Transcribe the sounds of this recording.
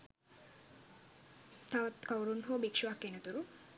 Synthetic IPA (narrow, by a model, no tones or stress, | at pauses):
t̪ʰaʋɐt̪kɐwɾunɦoːbikʂuʋaːkːenɐt̪uɾu